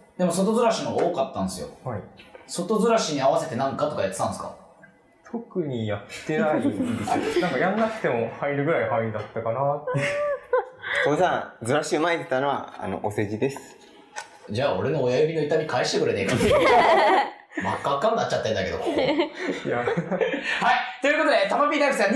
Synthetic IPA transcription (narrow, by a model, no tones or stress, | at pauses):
d̪e̞mo̞so̞t̪o̞zɨɾaɕinoɡaoːkat̪ːãnd̪esɨjo̞̰haiso̞t̪o̞zɨɾaɕiɲ̟iaβase̞t̪e̞nãŋkat̪o̞kajat̪et̪ãnesɨ̥ka̰ | t̪ʰokɯ̟ɲ̟ijat̪ːenaind̪esɨonãŋkajannakɯ̟̥t̪e̞mo̞hãiɾɯ̟ɡɯ̟ɾaihaĩnd̪at̪ːakanat̪ːe | soːsãd͡zɨɾaɕiɯmaet̪e̥t̪ano̞βa̰a̰no̞̰ʔose̞ʑid̪e̞sɨ̥ | d͡ʑaːo̞̰ɾe̞no̞ːjajɯmʲino̞it̪amʲikaeɕit̪ekɯ̟ɾe̞nek̪ae | ma̰kːakːaknatt͡ɕːat̪ːẽnd̪ake̞d̪o | ja | hait̪o̞jɯ̟ko̞t̪od̪et̪amabʲiːd̪akisãɲ